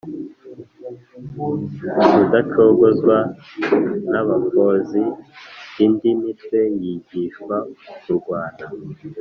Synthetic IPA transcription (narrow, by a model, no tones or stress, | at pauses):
udat͡ʃoɡozɡwa | naβakozi | indimitwe̞jiɟiʃkwaukuɾɡwaːna